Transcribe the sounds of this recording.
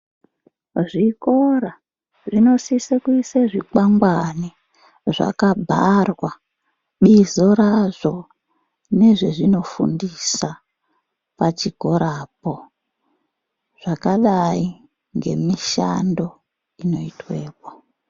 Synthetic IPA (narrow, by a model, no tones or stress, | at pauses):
ʐikoɾa | ʐino̞sisekuiseʐikaŋɡwani | ʐa̰kabʱarwa | ɓizoɾaʐo̞ | ne̞ʐeʐino̞fṵndisa | pat͡ʃiko̞ɾapo̞ | ʐ̥akaɗai | ŋɡe̞̰miʃando̞ | ino̞itwe̞ːpo̥